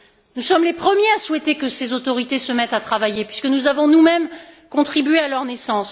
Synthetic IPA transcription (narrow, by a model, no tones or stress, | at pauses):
nusɔmlepχəmjeaswɛt̪ekəsezot̪ɔʁit̪esəmɛt̪at̪χavajepɥiskənuzavɔ̃numɛmkɔ̃t̪χibɥealœʁnesɑ̃s